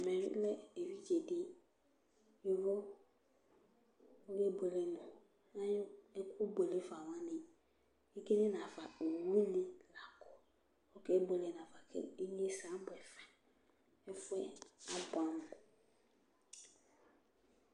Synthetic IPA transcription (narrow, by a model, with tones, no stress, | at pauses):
mɛ̃˨ɾḭ˦lɛ˦e˨wi˦d͡ʒe˨dɪ˦ | ɪ˦ɾɔ˦ | o˦ɡɛ˦bo˨le˨mʊ̃˨ | nã˦ɛ˦kʷʰʊ˦bo˨le˦fa˨wã˦nɪ̃˨ | e˦ke˦nɪ̃˦n˨ã˨fa˨o˨wu˦nɪ̃˦la˨kʰɔ˦ | ɔ˦kɛ˦bo˨le˨nã˨fa˨kʰɛ̰˦e˦ɲ˦e˦sa˨˦bʊ˨ɛ˨fa˨ | ɛ˦fʊ˦ɛ˦a˦bʊ˨a˨m˨ʊ˨